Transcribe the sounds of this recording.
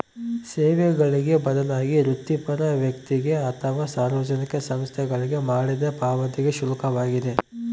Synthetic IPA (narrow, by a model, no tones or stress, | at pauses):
seːʋɛɡɐɭiɡe̞bɐd̪ɐlaːɡiɾut̪ːipɐɾɐʋjɐkt̪iɡe̞ɐt̪ʰɐʋasaːɾʋɐd͡ʒɐnikɐsɐmst̪ʰɛɡɐɭiɡe̞maːɽid̪ɐpaːʋɐt̪iɡe̞ʃulɐkɐʋaːɡid̪e̞